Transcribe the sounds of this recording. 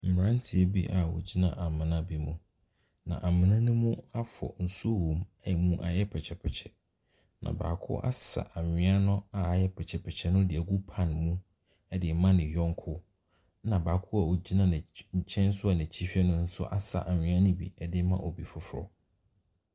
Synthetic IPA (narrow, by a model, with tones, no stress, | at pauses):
m̩˨m˨ɾã˦n˦tʰɪ˨æ˦bi˦ʔa˨wɔ̰˨d͡ʑi˦nã̰˦ʔa˨mɪ̃˨nã˦bi˨mũ˨ | nã̰˨ʔa˨mɪ̃˨nã˦nʊ̃˦mũ˦a˦fɔ̰˨n̩˨su˦o˦wõ˨mɛ˦˨mũ˦ʔa̰˨jɛ˦pʰɛ˨t͡ɕʰɛ˨pʰɛ˨t͡ɕʰɛ˨ | nã̰˨ba̰ː˨kʰʊ̰˦ʔa̰˦sa̰˨ʔa˨ɲɪ̃˦a˦nʊ̃˦a˨jɛ˦pʰɛ˨t͡ɕʰɛ˨pʰɛ˨t͡ɕʰɛ˦nʊ̃˦dɪ˨æ˨ɡu˦pʰã˦nmũ˦ | ɛ˦dɪ˨mã˦nɪ̃˨jɔ̃˦ŋ˦kʰʊ˦ | nã˨baː˨kʰʊ˦a˨o˨d͡ʑi˦nã˦ñ˨ɲ̩˨t͡ɕʰɛ̃˦n˦sʊ˦a˨næ̃˨t͡ɕʰi˦fi˦ɛ˦nʊ̃˦n̩˦sʊ̰˦ʔa˦sa̰˨ʔa˨ɲɪ̃˨˦a˦nʊ̃˦bḭ˨ɛ˦dɪ˨˦mã̰˦ʔɔ˨bi˨fʊ˦fʊ˦ɾɔ̰˦